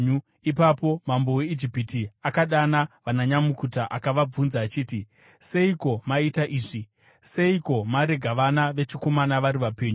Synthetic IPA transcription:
u | ipapo̞mambowe̞id͡ʒipitiakaɗanaʋanaɲamukutaʔakaʋab͡vunzaːt͡ʃiːti | se̞iko̞maitaʔiːʐi | se̞iko̞maɾe̞ɡʱaʋanaʋe̞t͡ʃiko̞manaʋaɾiʋapeːɲu

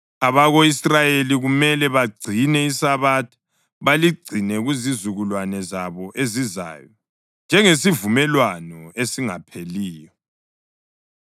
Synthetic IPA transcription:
aβaɣoisrajeliɣumɛlɛβaɡ͡ǀʱinɛisaβaːtʰḁ | βaliɡ͡ǀʱinɛɣuzizuɣulwanɛzaβɔʔeziza̰ːjɔ | nd͡ʒʱɛŋesivumɛlwanɔesiŋa̰pʰeliːjɔ

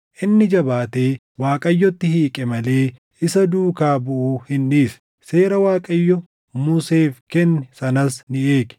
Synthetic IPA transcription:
ʔɪnːɪd͡ʒɐbaːt̪e̞ː | waːkʼɐjːɔt̪ːɪhiːkʼɛmɐle̞ː | ɪsɐd̪uːkaːbʊʔuːhɪnᶑiːsɐ̥ | se̞ːɾɐwaːkʼɐjːɔ | mʊseːfkɛnːɛsɐnɐsnɪe̞ːkɛ̥

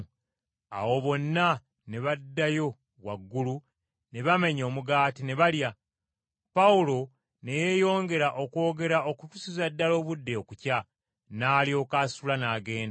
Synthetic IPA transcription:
a̰wo̞βo̞nːa | ne̞βadːajo̞ | wa̰ɡːulu | ne̞βame̞ɲo̞ːmuɡaːtine̞βalja | paulo̞ | ne̞je̞jo̞ːŋɡe̞ɾaʔo̞ko̞ːɡe̞ɾao̞kutusizadːalo̞ːβudːe̞okuca | naːlio̞ːkaːsulanaːɡe̞ːnda

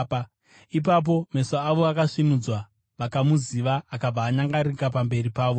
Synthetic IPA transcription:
pa | ipap̬o̞me̞saːʋoakaʂinud͡zwa | ʋakamuziʋaːkab͡vaːɲaŋɡaɾikapambe̞ripaːʋo̞

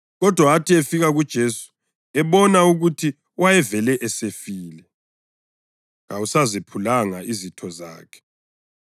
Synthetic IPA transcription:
ɣɔd̥ʱwaatʰiefiɣaɣud̥ʒ̥ʱesu̥ | ɛβɔnauɣutʰi | wajɛvɛlɛʔɛsefiːlɛ | ŋausazepʰulaŋaʔizitʰɔza̰ːkʰɛ̥

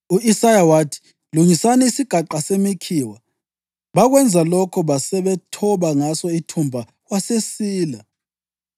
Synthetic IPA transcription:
uisajawaːtʰi̥ | luŋisanɛisiɡ̥ʱaǃasemikʰiwa | βaɣwɛnd͡zʱalɔkʰɔβasɛβɛtʰɔβaŋasɔitʰumbʱa | ɣwasesiːla

